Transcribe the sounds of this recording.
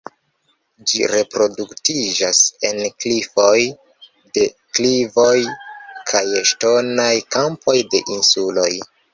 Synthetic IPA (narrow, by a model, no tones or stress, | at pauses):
d͡ʒiɾe̞pɾo̞duktid͡ʒase̞nklifo̞j | de̞ | klivo̞jkʰajeʃto̞najkampʰo̞jde̞̰ʔinsulo̞j